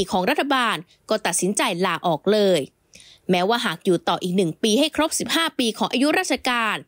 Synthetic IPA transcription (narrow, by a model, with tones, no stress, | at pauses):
i˧kʰɔː˩˦ŋɾa˦˥t̪ʰːa˧baː˧n | kɔː˥˩t̪a˨˩t̪̚si˩˦nt͡ɕa˧jlaː˧˩ʔɔː˨˩k̚lɤː˧j | mɛː˦˥waː˥˩ɦaː˨˩k̚juː˨˩t̪ɔː˨˩ʔiː˨˩k̚nɯ˨˩ŋpiː˧ɦa˥˩jkʰɾo˦˥p̚si˨˩p̚haː˥˩piː˧kʰɔː˩˦ʔaː˧ju˦˥ɾaː˥˩t͡ɕʰa˧kaː˧n